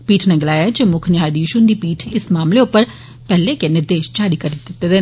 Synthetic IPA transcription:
piːʈʰneːɡɪlaːjaːɛd͡ʒemʊkʰnɪjaːd̪iːʃʊnd̪iːpiːʈʰɪsmaːmleʊpːəɾ | pɛːleːkenɪɾd̪eːʃd͡ʒaːɾiːkəɾd̪ɪt̪ːeːd̪eː

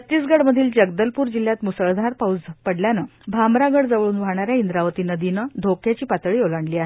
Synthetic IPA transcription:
ət̪ːiːsɡəɽməd̪ʱiːld͡ʑəɡ̚d̪əlpuːɾd͡ʑiljat̪musəɭd̪ʱaɾpaud͡zpəɽljanəbʱamɾaɡəɽd͡zaʋɭuːnʋaɽɳ̃aɾjaind̪ɾaʋət̪iːnəd̪inəd̪ʱokʰjat͡ɕiːpat̪ɭiːolaɳliːaɦe

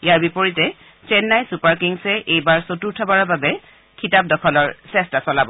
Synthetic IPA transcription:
jaɹbipoɹitɛ | t͡ʃɛnːajsupaɹkiŋsɛʔejbaɹsotuɹtʰɔbaɹɔbabɛ | kʰitap̚dɔkʰɔlɔɹsɛstasɔlabɔ

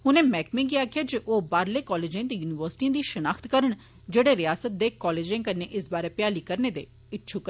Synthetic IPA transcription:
ɦʊnẽːmɛːkmɪ̃ːɡiaːkʰɪjaːd͡ʒeʔoːbaːɾleːkɔːleːd͡ʒẽːt̪eːjuːnɪʋəɾsʈiãːd̪iːʃənaːkʰt̪kəɾəɳ̃ | d͡ʒeːɽeːɾɪjaːsət̪̚d̪eːkɔːleːd͡ʒẽːkəɾneːʔɪsbaːɾeːpɪjaːliːkəɾneːd̪eː | ɪtːʃʰuːkəɾ

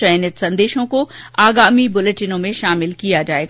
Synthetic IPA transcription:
ɐjnɪt̪sɐ̃nd̪eːʃõkoaːɡaːmibʊleʈɪnõmẽʃaːmɪlkijad͡ʒaːeːɡa

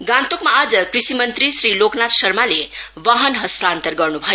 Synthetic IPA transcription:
ɡãnt̪okmaːd͡zʌkrisimʌnt̪ɾisɾiloknat̪sʌrmale | ʋʌɦʌnɦʌst̪aːnt̪ʌrɡʌrnubʱʌjo

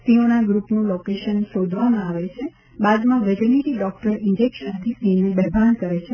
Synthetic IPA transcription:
sionaɡɾupnũlokeʃənʃod̪ʱʋamãaʋet͡ʃʰe | bad̪mãʋed͡ʒəniʈiɖɔk̚ʈəɾɪɲd͡ʒekʃə̃nt̪ʰisinebɛɦbʱankəɾet͡ʃʰe

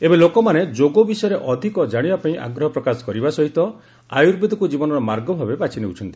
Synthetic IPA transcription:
ebelokɔmaned͡ʒoɡobisɔjɔɾeʔɔd̪ʱikɔd͡ʒaɽ̃ibapaĩʔa̰ɡɾɔɦɔpɾɔkasɔ̥kɔɾibasɔɦit̪ɔ | a̰juɾbʱid̪ɔkud͡ʒibɔnɔɾɔmaɾɡɔbʱabebat͡ʃineut͡ʃʰɔnt̪i

